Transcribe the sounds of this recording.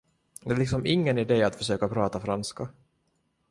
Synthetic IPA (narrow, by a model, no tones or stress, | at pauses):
d̪ɛɭɪksɔmʔɪŋːənɪd̪eːat̪fœʂøːkapʰɾɑːt̪afɾanska